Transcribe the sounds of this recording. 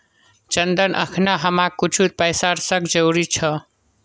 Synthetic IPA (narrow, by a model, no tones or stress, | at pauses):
t͡ʃənd̪ənʔə̰kʰnaɦəmakut͡ʃʰut̪̚pəjsaɾsəkʰd͡ʒəwɾit͡ʃʰʌ